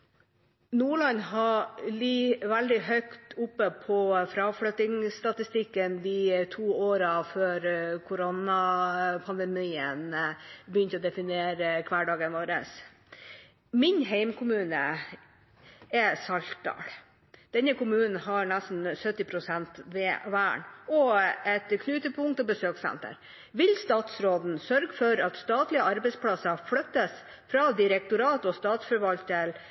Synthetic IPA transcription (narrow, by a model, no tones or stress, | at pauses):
nuːɭɑnɦɑɭiːʋæld̪ɪɦœkt̪ʊpːəpʰɔfɾɑːfɽøːt̪ɪŋst̪ɑt̪ɪst̪ɪkːənd̪ɪt̪ʰuːoːɾɑføːɾkʰʊɾonɑpʰɑnd̪ɛmiːənbjʏnt̪əɔːd̪ɛfɪneːɾəkʰʋæːɖɑːɡənʋoːɾə̰s | mɪɲɦeɪmkʰʊmʉːnə | ɛsɑlt̪̚d̪ɑ̰ːl | d̪̥ɛnəkʊmʉːnn̩hɑɾɳæst̪n̩sœt̪ːɪpʰɾʊsɛnt̪ʋeʋæ̰ːɳɔɛt̪kʰnʉːt̪əpʰʊŋk̚t̪ɔbəsøːksɛ̰nt̪ə̰ɾ | ʋɪlst̪ɑːt̪sɾoːd̪n̩sœɾɡəfɔɾɑt̪st̪ɑːt̪lɪəɑɾbɛɪspʰlɑsəfɽœt̪ːəs | fɾɑːd̪ɪɾɛk̚t̪ʊɾɑːt̪ɔst̪ɑːt̪sfœɾʋɑlt̪əl